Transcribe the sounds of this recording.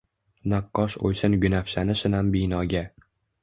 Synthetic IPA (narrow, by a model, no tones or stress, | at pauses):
naqːɒʃo̰jsɪnɡʲʊnafʃanɪʃɪnambɪjnɒɡʲa